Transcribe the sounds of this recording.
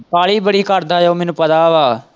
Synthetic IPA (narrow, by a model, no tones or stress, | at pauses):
paːɭiːbəɽiːkəɾd̪aːjoːmɛːnũːpət̪aːʋaː